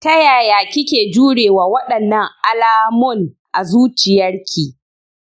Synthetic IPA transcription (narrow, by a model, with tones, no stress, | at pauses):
tɐ˦jaː˨jaː˨kʲɪ˦kʲeː˨d͡ʒuː˦ɽeː˨waː˨wɐ˦ɗɐ˨nːɐ˦ŋʔa˨laː˦mʊ˦˨n | ʔa˨zuː˦t͡ʃɪ˨jɐ˦rkʲʰiː˨